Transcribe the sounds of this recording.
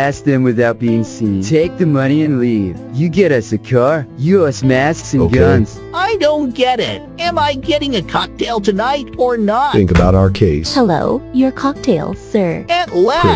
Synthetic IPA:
æsk̚ðɨ̃mwɨθaʊt̚b̥iɪ̃ŋsĩntʰeɪk̚ðɨmʌñiɨ̃nliv̥jɨɡɛɾʌsɨkʰɑɹjɨʌsmæsksɨ̃oɡʌ̃nz̥ | aɪdõʊ̃n̚ɡ̥ɛɾɪ̰t̚ɨ̃maɪɡɛɾɪ̃ŋɨkʰɑk̚tʰeɪlˠtʰɨnaɪɾə˞nətθɪ̃ŋkəbaʊɾaʊə˞kʰeɪshɛlo̰ʊjə˞kʰɑk̚tʰeɪlˠsɜ˞ɨtlæ

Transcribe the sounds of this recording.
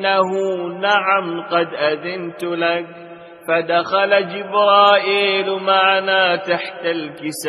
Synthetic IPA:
aɦunaʕamqɑd̪ʔaðɪnt̪ʊlak̚ | fad̪axalad͡ʒɪbɾɑːʔiːlmaʕanaːt̪aħt̪alkɪsa

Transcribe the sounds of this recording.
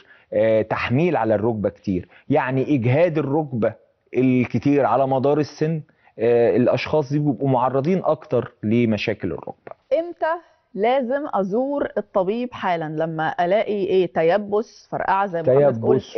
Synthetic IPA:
t̪aħmiːlʕalærˤːoɡ̚bæke̥t̪iːɾ | jaʕniʔɪɡɦæːd̪erːoɡbæ | ʔelket̪iːɾʕalæmɑd̪ˤɑːɾˤesːenː | elʔɑʃxɑːsˤd̪iːbjebʔumoʕɑrˤːɑd̪ˤiːnʔɑkt̪ɑɾˤlemæʃæːkelḛrːo̰ɡb̥æ̥ʔemt̪æ | læːzemʔɑzuːɾet̪ˤːɑbiːbħaːlænlæmːæʔælæːʔiʔeːt̪æjæbːos | fɑ̰ɾˤʔa̰ʕzæjmjæt̪bʔs

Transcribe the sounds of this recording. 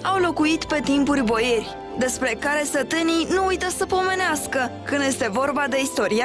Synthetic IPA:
awlo̞kuit̪pe̞t̪impurʲbo̞je̞rʲ | d̪e̞spɾe̞kaɾe̞sət̪ɨninuujt̪əsəpo̞me̞neaskəkɨnd̪je̞st̪e̞vo̞rbad̪e̞ist̪o̞ɾia

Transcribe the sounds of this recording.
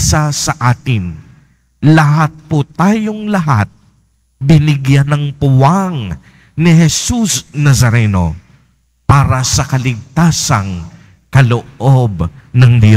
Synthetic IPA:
sasɐʔaːt̪ɪn | lɐɦat̪̚pot̪aːjoŋlɐɦa̰t̪̚ | bɪnɪɡjanɐŋpʊwaŋ | niɦɛsusnɐsɐɾɛno̰ | paːɾɐsɐkɐlɪɡ̚t̪asɐŋ | kɐloʔobnɐŋd̪o

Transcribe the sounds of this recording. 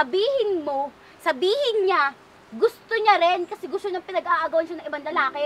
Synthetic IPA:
ɐbiːhɪnmo̞ | sɐbiːhɪnɲa | ɡʊst̪oɲaɾɛnkɐsɛɡʊst̪oɲɐŋpɪnɐɡaːʔaɡɐwɐnʃɐnɐŋʔɪbaŋlɐlaːkɛ

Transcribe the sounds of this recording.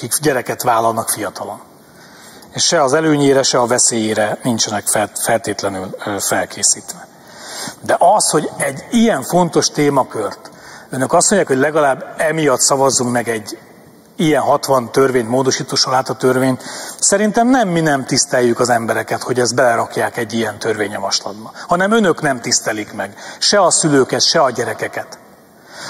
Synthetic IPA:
kikɟɛɾɛkɛt̪ʋaːlɒlnɒkfijɒt̪ɒlo̞n | eːʃʃɛɒzɛløːɲeːɾɛʃɛɒvɛseːjeːɾɛnint͡ʃɛnɛkfɛfɛlt̪eːt̪lɛnylfɛlkʰeːsiːt̪ʋɛ | d̪ɛʔɒsho̞ɟɛɟːijɛɱfo̞nt̪o̞ʃt̪eːmɒkørt̪ønø̞kɒstmo̞ɲɟjaːkhoɟʲlɛɡɒlaːbːɛmijɒt̪sɒvɒzːuŋkmɛɡɛɟː | ijɛnɦɒt̪ʋɒnt̪ø̞rveːɲmoːd̪o̞ʃiːt̪oːʃolaːt̪ɒt̪ørveːɲsɛɾint̪ɛmnɛmːinɛmt̪ist̪ɛjːykɒzɛmbɛɾɛkɛt̪ho̞ɟɛzd̪̚bɛlɛɾɒkjaːkɛɟːijɛnt̪ørveːɲːɒmɒʃlɒd̪bɒhɒnɛmø̞nø̞knɛmt̪ist̪ɛlikmɛɡʃɛɒsyløːkɛt̪ʃɛɒɟɛɾɛkɛkɛt̪

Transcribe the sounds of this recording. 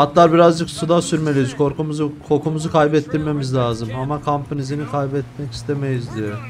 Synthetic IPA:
at̪lˠaɾbiɾazd͡ʒɯksud̪asyɾme̞lʲijizkʰoɾkumuzkʰo̞ɾkumuzukʰajbɛt̪ʰːiɾme̞mizlʲaːzɯmamakʰampɯnizinikʰajbɛt̪̚mɛci̥st̪ʰe̞me̞jizd̪ijo

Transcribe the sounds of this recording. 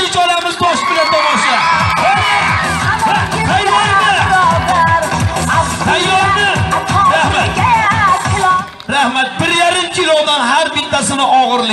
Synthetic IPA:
ɪt͡ʃʰɒlamɪzt̪ʰɒʃbɪlat̪ʰɒmɒʃla | t̪ʰajɒɾɪ | t̪ʰajːɒɾnɪɾahmat̪ | ɾahmat̪̚bɪɾjaɾɪmkʰʲɪlɒd̪anɦaɾbɪt̪ʰːasɪnɪʔɒʁɨɾlˠɪ

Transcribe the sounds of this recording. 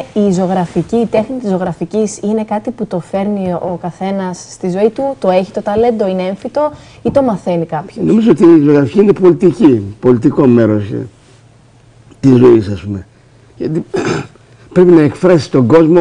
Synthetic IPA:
iːzo̞ɣɾɐficiːt̪e̞xnit̪izo̞ɣɾɐficisine̞kɐt̪iput̪o̞fe̞ɾniokɐθe̞nɐsːt̪izo̞it̪ut̪o̞e̞çi̥t̪o̞t̪ɐle̞nd̪o̞ineeɱfit̪o̞it̪o̞mɐθe̞nikɐpçono̞mizoot̪iːzooɣɾɐficiine̞po̞lit̪icipo̞lit̪iko̞me̞ɾo̞sḛ | t̪izo̞isɐspume̞ | ʝɐt̪i | pɾe̞pinɐekfɾɐsi̥t̪o̞ɡo̞zmo

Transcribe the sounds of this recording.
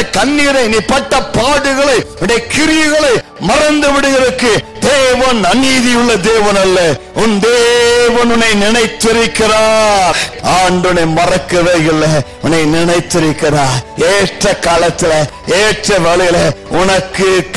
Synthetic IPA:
kɐnːɪɾɐniːpɐʈːɐpaːɽɯɣɐɭɐɪʊnɖjɐkɪɾɪjɯɣɐɭɐɪmɐrɐnd̪ɯʋɪɽɯɣɪɾɐkːɯd̪eːʋɐnɐniːðɪjɯɭːɐd̪eːʋɐnɐlːɐʊnd̪eːʋɐnʊnːɐɪnɪnɐɪt̪ːɪɾɯkːɪraːɾʔaːɳɖɯnɐɪmɐɾɐkːɐʋeːɪlːɐ | ʊnːɐɪnɪnɐɪt̪ːɪɾɯkːɪɾaːɾeːʈrɐkaːlɐt̪ːɪlɐ | eːʈrɐʋɛɭɯjɪlɐʊnɐkːɯk

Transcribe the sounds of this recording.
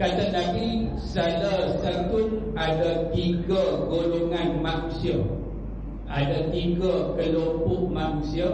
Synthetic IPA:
kat̪ənadi | salasat̪ʊnadat̪iɡaɡoloŋanmanusia | ʔadat̪iɡakəlopʊʔmanusia

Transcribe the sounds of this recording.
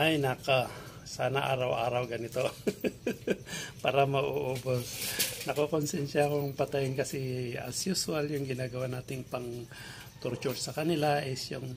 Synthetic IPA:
ʔajnaka | saːnɐʔa̰ːɾɐwʔaːɾɐwɡɐnɪt̪o | paːɾɐmɐʔoʔoːbosnɐkokonsɛnʃakoŋpɐt̪ajɪnkɐsiɐ̰sjʊswaljʊŋɡɪnaːɡɐwanaːt̪ɪŋpɐŋ | t̪ʊɾt͡ʃʊɾsɐkɐnɪlaʔɛsjʊŋ

